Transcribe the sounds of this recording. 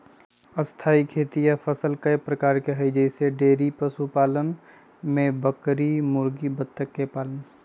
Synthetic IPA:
əst̪ʰaːikʰeːt̪ijapʰəsəlkəjpɾəkaːɾkeɦəjd͡ʒəɪseɖeːɾipəsupaːlən | mẽbəkɾimʊɾɡibət̪ʰːəkːepaːlən

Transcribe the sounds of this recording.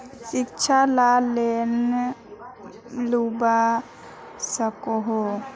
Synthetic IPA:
sɪkt͡ʃʰalalen | luba | səkoɦo

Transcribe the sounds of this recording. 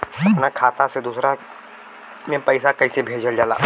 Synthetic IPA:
ɐpnakʰaːt̪ased̪usɾa | mẽpɐɪsakɐisebʱeːd͡ʒəld͡ʒaːla̰ː

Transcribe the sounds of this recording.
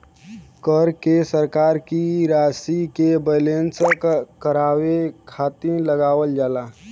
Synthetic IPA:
kəɾkesəɾkaːɾkiɾaːsikebəlenskəɾaːwekʰaːt̪iləɡaːwəld͡ʒaːlaː

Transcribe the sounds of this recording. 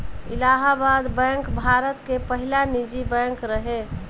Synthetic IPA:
ilaɦabad̪bɛŋkbʱaɾət̪kepəɦilanid͡ʒibəŋkɾəɦe

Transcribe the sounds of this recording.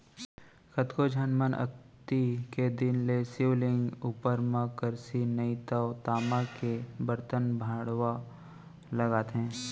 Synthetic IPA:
xət̪kod͡ʒʱənmənə̰k̚t̪iked̪ɪnlesɪʋlɪ̃ŋɡuːpəɾmə̃kəɾsinəit̪əʋt̪aːmãkebəɾt̪ənbʱaːɽʋa | lɐɡaːt̪ɦɛ̃ː

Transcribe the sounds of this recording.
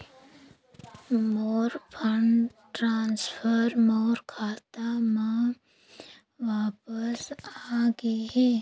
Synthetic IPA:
moːɾpʰəɳ | ʈɾaːnspʰəɾmoːɾkʰaːt̪amã | ʋaːpəsaːɡiɦi

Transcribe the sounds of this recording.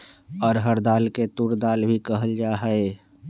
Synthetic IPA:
ɔːɾɦəɾd̪aːlket̪uɾd̪aːlbʱikəɦəld͡ʒaːɦəe

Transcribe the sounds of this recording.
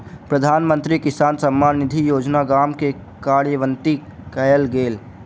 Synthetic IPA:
pɾəd̪ʱaːnmə̃nt̪ɾikɪsaːnsəmːaːnɪd̪ʱijoːd͡ʒnaɡaːmke | kaːɾjəʋə̃nt̪ikəjəlɡeːl

